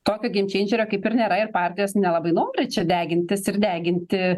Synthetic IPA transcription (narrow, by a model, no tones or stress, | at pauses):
t̪oːkʲoːɡʲɪmʲt͡ʃʲɛɪnʲʒʲɛɾʲoːkɐɪpɪɾnʲeːɾɐɪrpɑːrʲt̪ʲɪjoːsnʲɛlˠɐbɐɪnoːmʲrʲɪt͡ʃʲɛd̪ʲæːɡʲɪnʲt̪ʲɪsɪɾd̪ʲæːɡʲɪnʲt̪ʲɪ